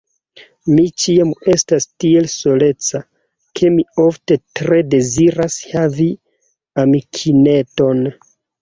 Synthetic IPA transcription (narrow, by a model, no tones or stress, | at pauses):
mit͡ʃiame̞stastie̞lso̞le̞t͡sa | kʰe̞mio̞fte̞tɾe̞de̞ziɾashavi | amikʰine̞to̞n